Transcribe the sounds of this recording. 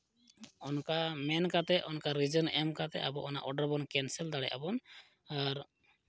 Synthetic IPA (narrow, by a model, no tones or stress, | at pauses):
ɔnkamɛnkat̪ɛʔɔnkaɾid͡ʒənɛmkat̪ɛ̰ʔabɔʔɔna̰ʔɔɖaɾbɔnkɛnsɛld̪aɽɛ̰jʔa̰bɔn | aɾ